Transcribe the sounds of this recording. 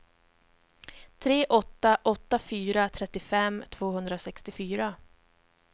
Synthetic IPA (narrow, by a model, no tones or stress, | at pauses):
t̪ʰɾeːʔɔt̪ːaʔɔt̪ːafyːɾat̪ʰɾɛt̪ːɪfɛmt̪ʰv̥oːɦɵnd̪ɾasɛkst̪ɪfyːɾa